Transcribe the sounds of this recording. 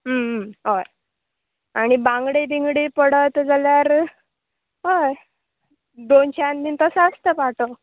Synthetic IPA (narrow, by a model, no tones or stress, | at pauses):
ɦəɦoj | aɽ̃ibãŋɡɽed̪iŋɡɽipəɽət̪d͡zaljaɾ | ɦoj | d̪onɕand̪int̪əsəst̪əpaʈo